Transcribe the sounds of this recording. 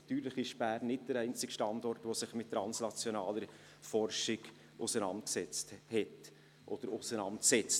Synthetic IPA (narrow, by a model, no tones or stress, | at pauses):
tyːɾlɪχɪʃb̥æːrnːɪt̚d̥əɾɛɪnt͡sɪkʃtɑndɔrtʋosɪχmɪttːɾɑnsnɑt͡sjonɑːləɾ | fɔrʃɪɡ̥ | ʔʊsənɑ̰nt̚ksɛt͡sthɛt | ʔɔ̰d̥əɾʊsənɑntsɛt͡st